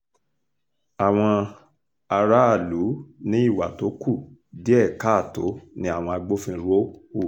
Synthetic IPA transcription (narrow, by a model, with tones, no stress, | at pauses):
a˨w̃ɔ̃˧ | a˧ɾa˦a˦˨lu˨˦nĩ˦i˦˨wa̰˨to˨˦ku˦˨di˦ɛ˦˨ka˦˨to˨˦nĩ˦a˦˨w̃ɔ̃˧a˧ɡ͡bo˦fĩ˦ɾo˦u˦˨